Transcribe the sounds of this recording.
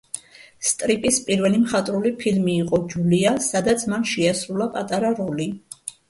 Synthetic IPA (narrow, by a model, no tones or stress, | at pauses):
st̪ʼɾipʼispʼiɾvɛlimχat̪ʼɾulipʰilmiːqʼɔd͡ʒuliasad̪at̪sʰmanʃɛasɾulˠapʼat̪ʼaɾaɾɔli